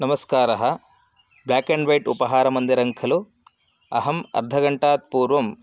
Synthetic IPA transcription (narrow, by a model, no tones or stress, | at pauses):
nɐmɐskaːɾɐɦɐ | blaːkeɳɖʋɐjʈṵpɐɦaːɾɐmɐnd̪iɾɐŋkʰɐlu | ɐ̰ɦɐmɐ̰ɾd̪ʱɐɡɐɳʈaːt̪̚puːɾʋɐm